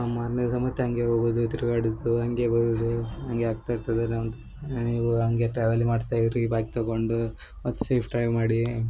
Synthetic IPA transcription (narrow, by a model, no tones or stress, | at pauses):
maːɾned̪ɐsɐmɐt̪ːeɦɐŋɡe̞ɦoːbud̪ut̪iɾuɡaːɽud̪uɦɐŋɡe̞bɐɾud̪uɦɐŋɡeaːɡt̪ajiɾt̪ɐd̪ɐnɐmd̪u | niːʋuɦɐŋɡe̞ʈɾaːʋelmaːɖt̪aːjid̪ɾibaːkt̪ɐɡoɳɖu | mɐt̪ːu̥seːpʰʈɾɐjʋmaːɽi